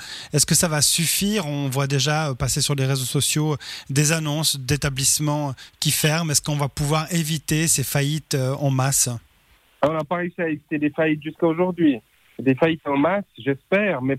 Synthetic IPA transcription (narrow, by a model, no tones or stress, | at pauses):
ɛskəsavasyfiːʁɔ̃vwad̪eʒaøpasesyʁleʁezosɔsjod̪ezanɔ̃sd̪et̪ablismɑ̃kʲifɛʁmɛskɔ̃vapuvwaʁevit̪esefajit̪øɑ̃mas | aɔ̃lapaʁesiaevit̪ed̪efajit̪̚ʒyskaoʒuʁd̪ɥi | d̪efajit̪ɑ̃masʒɛspɛːʁmɛ